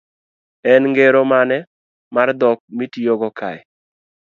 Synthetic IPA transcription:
ɛnŋɡeɾomanɛ | mard̪ɔk̚mitioɡɔkʰa̰jɛ

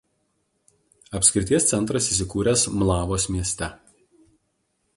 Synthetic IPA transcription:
ɐpʲsʲkʲɾʲɪt̪ʲiɛst̪sʲɛnt̪ɾɐsis̬ʲɪkuːɾʲɛˑsmlˠɑːʋoːsmʲiɛsʲt̪ʲɛ

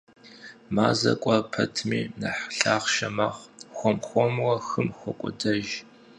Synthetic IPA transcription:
maːzɐ̰kʷʼɔpʰɐtʰmiːnɐħɬaːχʃɐmaʁxʷɔmxʷɔmwɐxɨmxʷɔkʷʼʊdɐʒ

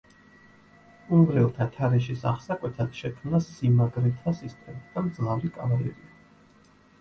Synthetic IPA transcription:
umvɾɛlˠt̪ʰat̪ʰaɾɛʃisa̰χsakʼwɛt̪ʰad̪̥ʃɛkʰmnasimaɡɾɛt̪ʰasist̪ʼɛmid̪̥amd̪zlavɾikʼavaɾɛ̰ɾia

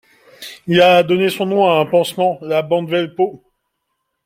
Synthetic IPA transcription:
ilad̪ɔnesɔ̃nɔ̃aɛ̃pɑ̃smɑ̃labɑ̃d̪vɛlpo

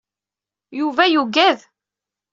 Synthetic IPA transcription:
juvæjuɡæð

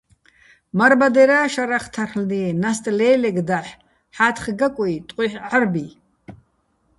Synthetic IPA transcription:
maɾbad̪ɛɾaːʃaɾaχt̪ʰarlniːnast̪ʼlɛːlɛɡd̪aħ | ħaːt̪ʰχɡakʷʼɔit̪ʼqʼiħarbi

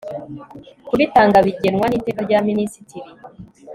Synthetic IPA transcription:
kuβitaːŋɡaβiɟe̞nŋwaniːte̞ːkaɾɟaːminisitiɾi

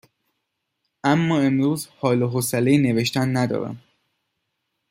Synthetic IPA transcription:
ʔæmːɒːe̞mɾuːzhɒːloɦosælejiːne̞ve̞ʃt̪ænːæd̪ɒ̰ːɾæ̰m

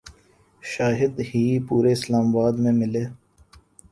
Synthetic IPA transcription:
ʃaːɦɪd̪hiːpuːɾeɪslaːmabaːd̪mẽmɪleː

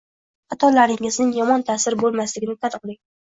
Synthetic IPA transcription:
at̪ʰɒlaɾɪŋɪznɪŋjɒmɒnt̪ʰaːsɪɾbolˠmaslɪɡʲɪnɪt̪ʰanɨqlˠɪŋ

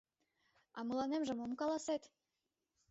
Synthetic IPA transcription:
ɑmɤlˠɑnemʒə̆momkɑlˠɑset̪

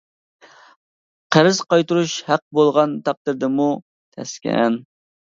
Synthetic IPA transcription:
qʰəɾɪz̥qɑjt̪uɾuʃhæq̚bolˠʁɑnt̪ʰɑq̚d̪ɨɾd̪ɨmu | t̪ʰɛ̰skʲɛ̰n

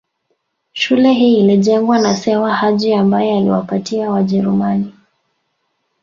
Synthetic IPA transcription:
ʃulɛɦiːliʄɛŋɡwanasɛwahaʄiambajɔalḭwa̰patiawaʄɛɾumani

